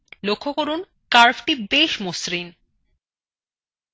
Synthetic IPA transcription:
lokʰːokoɾun | kaɾfʈibeʃmosɾin

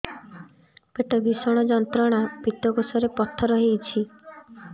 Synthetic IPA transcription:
peʈɔbisɔɽ̃ɔd͡ʒɔnt̪ɾɔɽ̃apit̪ɔɡosɔɾepɔt̪ʰːɔɾɔɦet͡ʃʰi

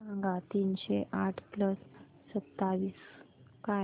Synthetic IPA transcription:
aŋɡat̪iːnɕeʔaʈʰpləsː | ət̪ːaʋiːska

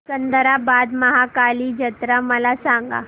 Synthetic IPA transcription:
sənd̪ʱəɾabad̪məɦakaliːd͡ʑət̪ɾaməlasaŋɡa̰

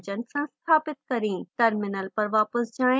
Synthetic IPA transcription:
d͡ʒənsãst̪ʰaːpɪt̪̚kɐɾĩːʈɐɾmɪnəlpɐɾʋaːpəsd͡ʒãː

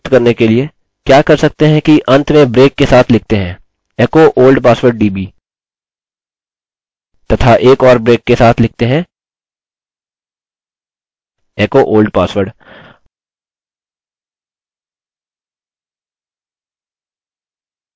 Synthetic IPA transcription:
t̪kɐɾnekelie | kjaːkɐɾsɐk̚t̪eɦɛ̃kiʔɐ̃nt̪mẽbɾeːkːesaːt̪ʰlɪk̚ʰt̪eɦɛ̃ː | eːkoʔoːlɖpaːsʋəɾɖ̚ɖiːbiː | t̪ɐt̪ʰaʔeːkɔːɾbɾeːkːesaːt̪ʰlɪk̚ʰt̪eɦɛ̃ː | eːkoʔoːlɖpaːsʋəɾɖ

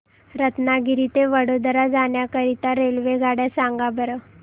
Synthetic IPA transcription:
ɾət̪naɡiɾit̪eʋəɽod̪əɾad͡zaɳjakəɾit̪aɾelʋeɡʱaɽjasãŋɡabəɾə

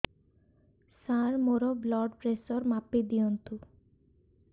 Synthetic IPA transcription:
saɾmoɾoblɔɖpɾesoɾmaped̪ijont̪u

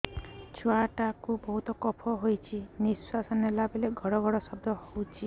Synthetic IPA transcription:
t͡ʃʰuaʈakubɔɦut̪ɔkɔpʰɔɦojt͡ʃʰiniswasɔnelabeleɡʱɔɽɔɡʱɔɽɔsɔb̚d̪ʱɔhowt͡ʃʰi

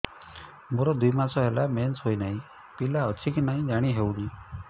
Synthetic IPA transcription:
moɾɔd̪uimasɔɦɛlamensɦojnaɦĩ | pilaət͡ʃʰikinaɦĩd͡ʒaɽ̃iɦeũni

